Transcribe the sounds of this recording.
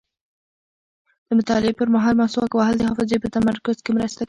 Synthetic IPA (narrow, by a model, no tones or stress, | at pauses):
d̪̥əmʊt̪ɑlɪpəɾmaɦɑlmaswɑkwaɦɑld̪əhɑfɪzepət̪amaɾkʊzkemɾəst̪a